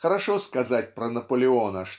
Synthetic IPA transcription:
xɐɾaʂɔskazat͡sʲpɾɐnɐpɐlʲɪɔnɐʂ

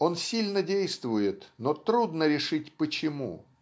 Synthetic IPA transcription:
o̞nsʲilʲnədʲejst̪vʊjɪt̪not̪ɾud̪nəɾʲɪʂɨtʲpət͡ɕɪmṵ

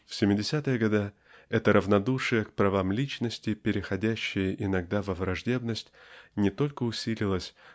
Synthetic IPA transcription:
fsʲɪmʲɪdʲɪsʲat̪ɨjəɡɐd̪a | ɛt̪əɾəvnɐd̪uʂɨjəkpɾɐvamlʲit͡ɕnəsʲtʲɪpʲɪɾʲɪxɐdʲæɕːɪjəʔɪnɐɡd̪avəvɾɐʐdʲe̞bnəsʲtʲnʲɪt̪o̞lʲkəʊsʲilʲɪlˠəsʲ

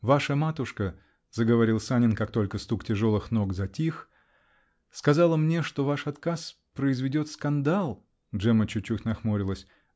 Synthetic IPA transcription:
vaʂəmat̪ʊʂkə | zəɡəvɐɾʲilˠsanʲɪnkak̚t̪o̞lʲkəst̪uktʲɪʐo̞lˠɨxno̞ɡzɐtʲix | skɐzalˠəmnʲe̞ʂt̪o̞vaʂɐt̪kas | pɾəɪzvʲɪdʲo̞t̪skɐnd̪alˠ | ʐɛmət͡ɕʊt͡ɕːukʲnɐxmoɾʲɪlˠəsʲ

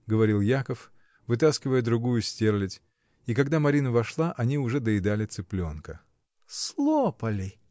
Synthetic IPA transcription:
ɡəvɐɾʲilˠjakəf | vɨt̪̬askʲɪvəjəd̪ɾʊɡujʊsʲtʲe̞rlʲɪtʲ | ikɐɡd̪amɐɾʲinəvɐʂlˠaʔɐnʲiʊʐɛd̪əɪd̪alʲɪt̪sɨplʲo̞nkə | slˠopəlʲɪ

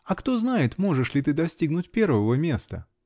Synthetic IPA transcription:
ɐkt̪o̞znajɪt̪mo̞ʐɨʂlʲɪt̪ɨd̪ɐsʲtʲiɡnʊt̚ʲpʲe̞rvəvəmʲe̞st̪ə

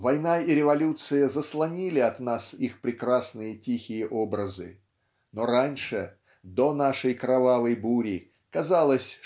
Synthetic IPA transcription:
vɐjnaiɾʲɪvɐlʲut̪sɨjəzəslˠɐnʲilʲɪɐt̪nasixpɾʲɪkɾasnɨjətʲixʲɪjəʔobɾəzɨ̰ | no̞ɾanʲʂɨ | d̪onaʂəjkɾɐvavəjbuɾʲi | kɐzalˠəsʲ

